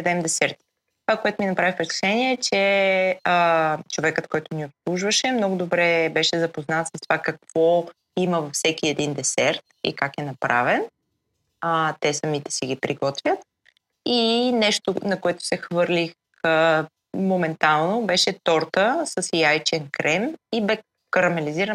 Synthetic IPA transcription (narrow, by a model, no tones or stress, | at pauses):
d̪ɛmd̪ɛsɛɾt̪ | t̪ovakoɛt̪ʊminɐpɾavifpɾɛsk̪u̥ʃɛniɛɛt͡ʃɛət͡ʃovɛkət̪kɔjt̪ʊniopslˠuʒvəʃɛmnɔɡʊd̪obɾɛbɛʃɛzɐpoznat̪səst̪o̥vakɐkv̥ɔ | iməvɐfsɛkiɛd̪ind̪ɛsɛɾt̪̚ḭkakɛnɐpɾa̰vɛn | t̪ɛsɐmit̪ɛ̥siɡ̟ipɾiɡɔt̪vʲjət̪̚ | inɛʃt̪onɐkoɛt̪ʊ̥sɛxvɤɾlʲix | ə | momɛnt̪alˠnobɛʃɛt̪ɔɾt̪əsəsjajt͡ʃɛnkɾɛmibɛ | kəɾɐmɛliziɾə